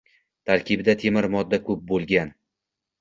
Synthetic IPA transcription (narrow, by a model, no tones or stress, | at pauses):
t̪ʰaɾkʲɪbɪd̪at̪ʰe̞mɪɾmɒd̪ːakʰɵp̚bolˠɡʲan